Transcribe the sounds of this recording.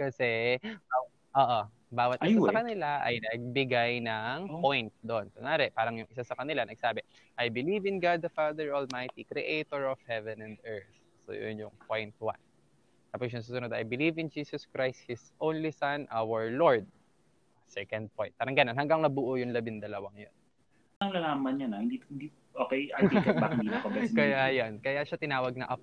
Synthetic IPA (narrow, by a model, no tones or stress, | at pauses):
kɐsɛbaw | ʔoːʔo | baːwɐt̪ʔɪsasɐkɐnɪlaʔɐ̰jnɐɡ̚bɪɡajnɐŋpojnt̪̚d̪oʔonsoŋaːɾɛpaːɾɐŋjʊŋʔɪsasɐkɐnɪlanɐɡ̚saːbɛ | ʔajbɪlivɪnɡad̪̚dɐfad̪ɛɹɔlmajt̪ikɾɛʔejt̪oɹɔv̥hɛvɛ̃nɐ̃nd̪ɛɹθ | so̰jo̰njʊŋpo̞jnt̪̚wa̰n | t̪aːpos̬jʊnsuːsʊnod̪ʔɐ̰jbɪlivɪnd͡ʒiːsɔskɹajst̪̚hɪsʔõwnlisɐnʔawəɹloɹd̪̚ | sɛkɐnd̪̚poj̃nt̪̚paːɾɐŋɡɐnonhɐŋɡɐŋnɐbʊʔojʊŋlɐbɪnd̪ɐlɐwaŋjo̰n | ɐŋlɐlaːmɐnɲanɐhɪnd̪iɪnd̪i | ʔoːkɛjaikbakɪnit̪okɐmɛkɐjajonkɐjaʃat̪ɪnaːwɐɡ̚nɐʔɐp